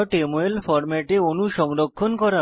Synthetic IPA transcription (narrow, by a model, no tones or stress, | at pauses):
ʈemoelfɔɾmɛʈeonuʃɔŋɾokʰːonkɔɾa